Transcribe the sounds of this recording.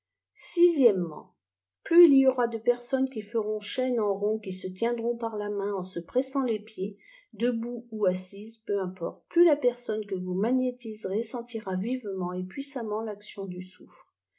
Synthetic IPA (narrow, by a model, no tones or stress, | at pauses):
sizjɛmːɑ̰̃ | plyiliɔʁad̪əpɛʁsɔnkʲifəʁɔ̃ʃɛnɑ̃ʁɔ̃kʲisət̪jɛ̃d̪ʁɔ̃paʁlamɛ̃ɑ̃səpχɛsɑ̃lepje | d̪əbuuasizpøɛ̃pɔ̰ʁt̪̚plylapɛʁsɔnkəvumaɲet̪izʁesɑ̃t̪iʁavivmɑ̃epɥisamɑ̃laksjɔ̃d̪ysufχ